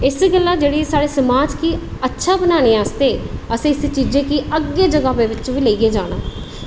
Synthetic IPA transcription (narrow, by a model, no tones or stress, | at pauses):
ɪsɡəlːaːd͡ʒeːɽiːsaːɽeːsəmaːd͡ʒkiːətːʃʰaːbənaːñeaːst̪eːəsĩːɪst͡ʃiːd͡ʒẽːkiʔəɡːeːd͡ʒəɡaːbeːʋɪt͡ʃʋiːləiːeːd͡ʒaːɽ̃a̰ː